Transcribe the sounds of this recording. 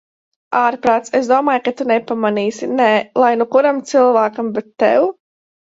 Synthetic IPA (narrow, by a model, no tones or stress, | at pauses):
aːɾpɾaːt̪sesd̪uɔmaːjkat̪unɛpamaniːsinɛːlˠajnukuɾamt̪sɨlˠvaːkambɛt̪ːɛ̰w